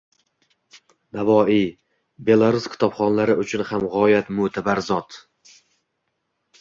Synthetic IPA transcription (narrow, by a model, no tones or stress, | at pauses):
navɒːi | be̞lˠaɾuskʲʰɪ̥t̪ʰɒbχɒnlaɾɪʔʊt͡ʃʰʊnhamʁɒjat̪mʊt̪ʰabaɾzɒt̪